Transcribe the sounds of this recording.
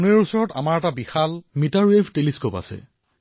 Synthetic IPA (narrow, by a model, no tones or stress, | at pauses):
unɛɹusɔɹɔta̰maɹɛtabixalmitaɹwebʱteliskopa̰sɛ̰